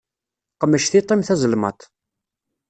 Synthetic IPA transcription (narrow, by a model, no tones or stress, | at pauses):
qəmːəʃθit̪ˤːimθæzəlmɑ̰t̪